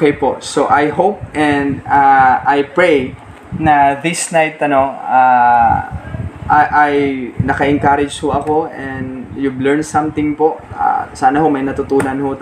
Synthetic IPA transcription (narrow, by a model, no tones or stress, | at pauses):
kejpoʔsoʔajɦop̚ʔɛnd̪aʔajpɹej | nɐðɪsnajt̪ʔɐno̞a | ʔaʔajnɐkɐʔɛŋkaɾɪd͡ʒhoʔɐko̞ʔɛnd̪jublɛɹnsɐmt̪ɪŋpo̞ʔa̰saːnɐhomɐjnɐt̪ʊt̪uːnɐnho